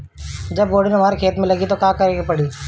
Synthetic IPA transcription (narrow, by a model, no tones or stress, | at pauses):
d͡ʒəbɡoːɽɪnɦəmaːɾekʰeːt̪mẽləɡiːt̪okaːkəɾeːɡepəɽiː